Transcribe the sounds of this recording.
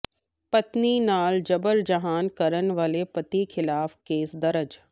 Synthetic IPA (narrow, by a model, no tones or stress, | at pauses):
pɐt̪ninaːld͡ʒɐbəɾd͡ʒɐɦaːnkɐɾənʋaːlepɐt̪ikʰɪlaːfkeːsd̪ɐɾəd͡ʒ